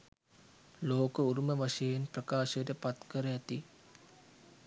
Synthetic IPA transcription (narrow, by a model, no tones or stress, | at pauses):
loːkəuɾuməʋaʂəjenprəkaːʃəjəʈəpat̪kəɾəæt̪i